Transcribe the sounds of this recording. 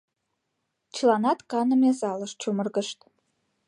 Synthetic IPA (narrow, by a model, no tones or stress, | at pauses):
t͡ɕəlɑnɑt̪kɑnə̆mezɑləʃt͡ɕumərɣə̆ʃt̪